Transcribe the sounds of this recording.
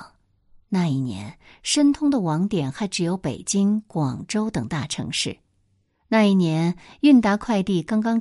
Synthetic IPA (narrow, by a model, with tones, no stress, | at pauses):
na˥˧i˥˩njɛ̰˧˥n | ʂə˥nt̪ʰʊ˥ŋd̪ə˨wɑ˧˥ŋt̪jɛ˨˩nxa˧˥ɪʈ͡ʂɻ̩˨˩jo˧˥ʊpe˨˩ɪt͡ɕi˥ŋkwɑ˨˩ŋʈ͡ʂo˥ʊt̪ɤ˨˩ŋt̪a˥˩ʈ͡ʂʰɤ̰˧˥ŋʂɻ̩˥˩ | na˥˧i˥˩njɛ˧˥ny˥˧nt̪a˥kʰwa˥˧ɪt̪i˥˩kɑ˥ŋkɑ˥ŋ